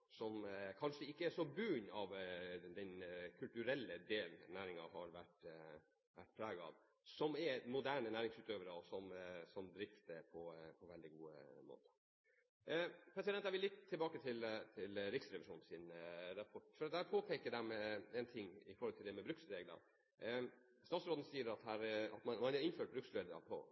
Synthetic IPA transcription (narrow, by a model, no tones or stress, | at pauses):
sɔmkʰɑnʂəɪkːəɛʂɔbʉːnɑʋd̪ɛnkʰʉlt̪ʉɾɛlːəd̪eːlnæːɾɪŋɑ̰ɦɑɾʋæʈ | ʋæ̰ʈːpʰɾɑːɡɑ̰ʋ | sɔmɛmʊd̪æːɳənæːɾɪŋsʉːt̪øːʋəɾəɔsɔmsɔmd̪ɾɪft̪d̪ɛpʰɔpʰɔʋɛld̪ɪɡuːə̰mo̰ːt̪ə̥ | pʰɾɛsɪd̪ɛnt̪æɪʋɪlɪt̪ʰːɪlbɑːkət̪ʰɪlt̪ʰɪlɾɪksɾɛʋɪʂuːnsɪnɾɑpʰɔʈːfɔɾɑt̪d̪æːɾpʰoːpʰeːkəd̪ɛmɛnt̪ʰɪŋːɪfɔɾhɔlt̪ʰɪld̪ɛmɛbɾʉksɾeːɡlə̰ | st̪ɑːt̪sɾoːd̪nəsiːəɾɑt̪hæːɾɑ̰t̪mɑnmɑnɑɾɪnføːʈ̚bɾʉkslœːd̪əɾɑ̰pʰɔ̰